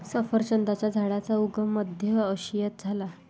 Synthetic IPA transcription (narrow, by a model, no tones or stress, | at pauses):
səfəɾt͡ɕənd̪at͡ɕjad͡zʱaɽat͡sauɡəmːəd̪ʱjəːɕijət̪̚d͡zʱala